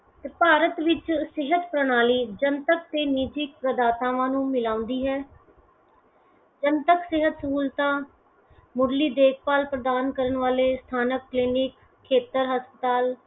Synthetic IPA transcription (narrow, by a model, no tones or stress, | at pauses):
t̪eːpaːɾət̪ʋɪt͡ʃsɪɦət̪pɾəɽaːliːd͡ʒənt̪ək̚t̪eːniːd͡ʒɪk̚pɾəd̪aːt̪ãːʋãːnũːmɪlaːʊ̃nd̪iːɦɛː | d͡ʒənt̪əksɪɦət̪suːlt̪ãː | mʊɾliːd̪eːk̚ʰpaːlpɾəd̪aːnkəɾəɳʋaːleːst̪ʰaːnəkːlɪːnɪkʰː | eːt̪əɾɦəspət̪aːl